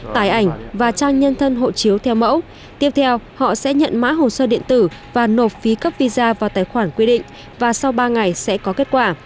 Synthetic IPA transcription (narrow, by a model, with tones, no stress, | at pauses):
t̪aː˨˩jʔa˧˩jŋ̟vaː˨˩t͡ɕaː˧ŋɲə˧nt̪ʰə˧nɦo̰˧˨t͡ɕi˨˦əwt̪ʰɛ˧wmə̰˧˥w | t̪i˦˥ət̪ʰɛ˧whɔ̰˧˨sɛ̰˧˥ɲə̰˧˨nma̰ː˧˥ɦo˨˩səː˧ɗḭ˧˨ənt̪ɨ˧˩vaː˨˩no˨˩t̚fi˨˦kə˦˥p̚vi˧zaː˧vaː˨˩wt̪aː˨˩jxwaː˧˩nkwi˧ɗḭ̈˧˨ŋ̟ | vaː˨˩sa˧wɓaː˧ŋa˨˩jsɛ̰˧˥kɔ˨˦ke˦˥t̚kwaː˧˩